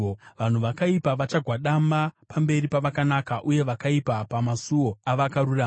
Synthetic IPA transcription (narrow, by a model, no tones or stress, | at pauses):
ʋan̤uʋakaipaʋat͡ʃaɡʱwaɗamapambe̞ripaʋakanakaʔuje̞ʋakaipapamasuwo̞aʋakaɾura